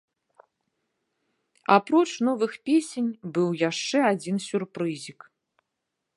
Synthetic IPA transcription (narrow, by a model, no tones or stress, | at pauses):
apɾɔt͡ʂnɔvɨxpʲesʲenʲbɨwjaʂt͡ʂɛad͡zʲinsʲurpɾɨzʲik